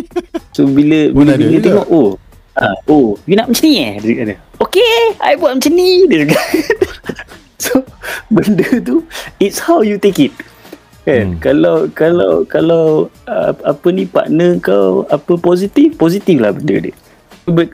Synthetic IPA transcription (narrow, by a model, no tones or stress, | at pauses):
sobiləbiləbinət̪eŋɔʔo | aojunaʔmə̃t͡ʃəniadiikadəokea̰jbuaʔməɲt͡ʃənidəsəɡa | sobəndət̪̬uitshawjut̪ekit̪̚ | ɛnkalawkala̰wkalawə̰apənipa̰ʔnəəŋkawapəpɔsit̪ifpozit̪ifla̰hbəndə̰də̰ | bət̪̚